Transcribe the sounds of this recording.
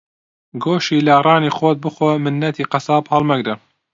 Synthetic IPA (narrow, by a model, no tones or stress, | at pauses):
ɡoːʃiːlɑːrˤɑːniːxoːt̪̚bɨxoːmɨnːɐt̪ʰiːqɑsɑːbhɐlˠmɐɡd̪ɐ